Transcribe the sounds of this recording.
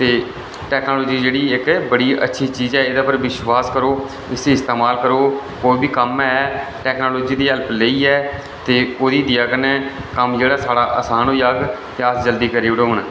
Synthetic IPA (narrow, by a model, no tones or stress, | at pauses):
t̪eː | ʈɛːknoːloːd͡ʒiːd͡ʒeːɽiːɪkbəɽiːə̰tːʃʰiːt͡ʃiːzɛːɪd̪aːpəɾʋɪʃwaːskəɾoː | ɪsiːɪst̪eːmaːlkəɾoːkoːiːbiːkəmɛːʈɛːknoːloːd͡ʒiːd̪iːɦələpləiːɛː | t̪eːoːd̪iːd̪jaːkənɛːkəmd͡ʒeːɽaːsaːɽaːʔəsaːnɦoːjaːɡt̪eaːsd͡ʒəld̪iːkəɾeːʋɽoːɦʊɳ